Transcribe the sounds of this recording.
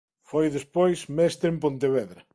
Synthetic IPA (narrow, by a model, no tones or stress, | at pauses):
fojðespojsmɛst̪ɾempõnt̪eβɛðɾɐ